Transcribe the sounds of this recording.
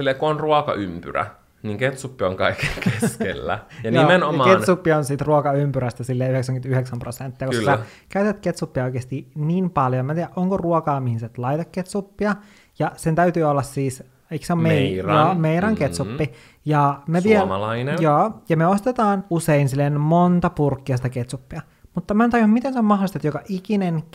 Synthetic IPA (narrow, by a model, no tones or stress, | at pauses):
ilːekuonruokɑ̰ʔympy̰ræ̰ | niŋket̪supːio̰ŋkɑikekʰeskḛlːæ̰jɑnjoiːmenoɑmɑketnsupːionsit̪ruokɑympyɾæst̪æsilːeːyheksæŋɡymnt̪yheksæmprosent̪ːiɑkokkːsæ | kæyt̪æt̪ket̪supːiɑojkeːst̪iniːnpɑljoemæːt̪iːæʔoŋkoruokɑːmihinset̪lɑit̪ɑkket̪supːiɑ | jɑsent̪æyt̪yːolːɑssiːs | iksommejoːmeiɾɑŋket̪supːi | jɑmeʋielɑ̰lɑinejoːjɑmeost̪et̪ɑːnuseinsilːenmont̪ɑpurkːiɑsit̪æket̪supːiɑ | mut̪ːɑmæːnt̪ɑjuhmmit̪ensæmɑhlist̪et̪jokɑʔikinen